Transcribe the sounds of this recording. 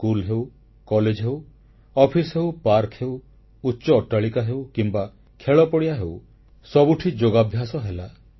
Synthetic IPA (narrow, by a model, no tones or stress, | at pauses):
kulɦew | kɔled͡ʒɦew | ɔpʰisɦewpaɾkʰhew | utːʃɔːʈaɭikaɦewkimba | kʰeɭɔpɔɽiaɦew | sɔbuʈʰid͡ʒoɡabʱjasɔɦela